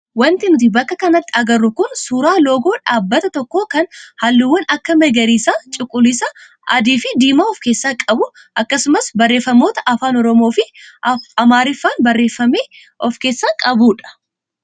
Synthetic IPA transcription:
wɐnt̪ɪnɪt̪ɪbɐkːɐkɐnɐt̪ːɪɐɡɐrːʊkʊnsuːɾaːlo̞ːɡo̞ːᶑaːbːɐt̪ɐt̪ɔkːo̞ːkɐnhɐlːɪwːɐnɐkːɐmɛɡɐɾiːsaːt͡ʃʼɪkʼːʊlɪsɐ | ʔɐd̪iːfɪd̪iːmaɔfke̞ːsːakʼɐbʊ | ʔɐkːɐsʊmɐsbɐrːe̞ːfːɐmo̞ːt̪ɐʔɐfaːnɔɾɔmoːfɪ | ɐmaːɾɪfːaːnbɐrːeːfːɐmeː | ɔfke̞ːsːaːkʼɐbuːᶑɐ̥

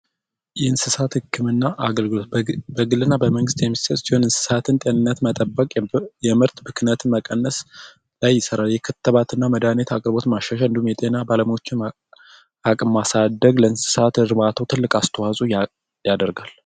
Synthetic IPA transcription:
jɛɨnsɨsat̪hɨkʰːɨmɨnːaʔaɡəlɡɨlo̞t̪̚bəɡɨlːɨnːabəməŋɡɨst̪jɛmːissət̪ʼsihunɨnsɨ̥sat̪ʰɨnt̪ʼe̞nɨnːət̪mət̪ʼəbːəkʼjɛmɨɾt̪bɨkɨnət̪ʰɨnməkʼənːəs | lajːɪsəɾaljɛkʰət̪ʰːəβat̪ɨnːaməd̪anet̪akʼɾbo̞t̪maʃːaʃand̪umjɛt̪ʼenabaləmiwo̞t͡ʃːɪn | akʼɨmmasad̪ːəɡləɨnsɨ̥sat̪ɨɾɨmat̪ʰəwt̪ʰɨlːɨkʼast̪ʰəwazʼuj | jad̪əɾɡal

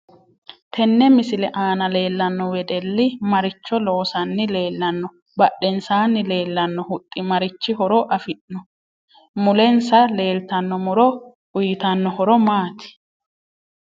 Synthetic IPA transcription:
t̪ʰɛnːɛmɪsɪlɛʔaːnɐle̞ːlːɐnːɔwɛd̪ɛlːɪmɐɾɪt͡ʃːɔlo̞ːsɐnːɪle̞ːlːɐnːɔ | bɐɗːɛnsaːnːɪle̞ːlːɐnːɔhʊt̪ʼːɪmɐɾɪt͡ʃːɪhɔɾɔʔɐfɪʔnɔ | mʊlɛnsɐle̞ːlt̪ɐnːɔmʊɾɔ | ʊjɪt̪ɐnːɔhɔɾɔmaːt̪ɪ̥

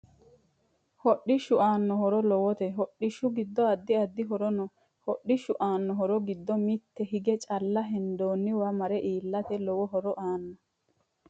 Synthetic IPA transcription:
hɔɗːɪʃʊʔaːnːɔɦɔɾɔlɔwɔt̪ɛɦɔɗːɪʃʊɡɪd̪ːɔɐd̪ːɪɐd̪ːɪɦɔɾɔnɔ | hɔɗːɪʃʊʔaːnːɔɦɔɾɔɡɪd̪ːɔmit̪ːɛɦɪɡɛt͡ʃʼɐlːɐɦɛnd̪oːnːɪwamɐɾɛʔiːlːɐt̪ɛlɔwɔɦɔɾɔʔaːnːɔ

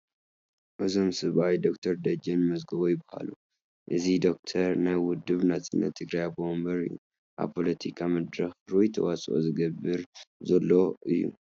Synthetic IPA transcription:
ʔɨzo̞msɨβajd̪o̞kt̪ʰɐɾd̪ɐd͡ʒɐnmɐzɡɐβojɪbaha̰lu | ʔɨzid̪o̞k̚t̪ʰɐɾnajwʊd̪ːɨβnat̪ɨnːɐ̰t̪ʰːɨɡɾajabombɐɾɨ̰jːṵ | ʔa̰βpʰo̞lɐt̪ʰikʰamɐd̪ɾɐxɾujt̪ʰɐ̰wasʼʔo̰zɨɡɐbːɨɾzɐlːo̞ʔɨjːṵ

